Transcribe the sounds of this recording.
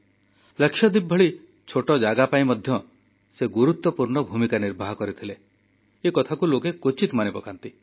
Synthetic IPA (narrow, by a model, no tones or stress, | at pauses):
lekʃjɔd̪ibʱːɔɭi | t͡ʃʰoʈɔd͡ʒaɡapaĩmɔd̪ʱjɔ | seɡuɾut̪wɔpuɾɳɔbʱumikaniɾbʱaɦɔkɔɾit̪ʰile | ekɔt̪ʰakulokekot͡ʃit̪manipɔkant̪i